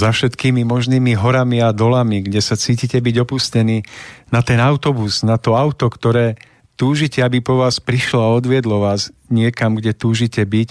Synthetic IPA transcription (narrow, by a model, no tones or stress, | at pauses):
zafʃɛt̪kiːmimɔʒniːmiɦɔɾamiad̪ɔlamiɡɟɛsat͡siːcicɛbiɟɔpuscɛniːnat̪ɛnaʊt̪ɔbuznat̪ɔaʊt̪ɔkt̪ɔɾɛː | t̪uːʒicɛabipɔʋaːspɾiʃlɔaɔd̪ʋɪɛd̪lɔʋaːzɲɪɛkamɡɟɛt̪uːʒicɛbic